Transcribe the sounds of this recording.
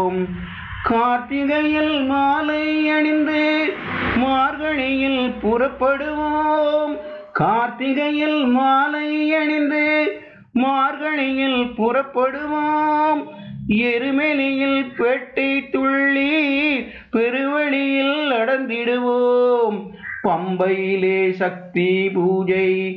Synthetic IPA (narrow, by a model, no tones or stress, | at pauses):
m | kaːt̪ːɪɣɐjɪlmaːlɐɪɛɳɪnd̪ɯ | maːɾɣɐɳɪjɪlpʊrɐpːɐɽɯʋoːmkaːt̪ːɪɣɐjɪlmaːlɐɪɛɳɪnd̪ɯ | maːɾɣɐɳɪjɪlpʊrɐpːɐɽɯʋoːmɛɾɯmɛlɪjɪlpɛːʈːɐɪt̪ːʊɭːi | pɛɾɯʋɐɭɪjɪlːɐɽɐnd̪ɪɽɯʋoːmpɐmbɐjɪleːʂɐk̚t̪ipuːd͡ʒɐɪ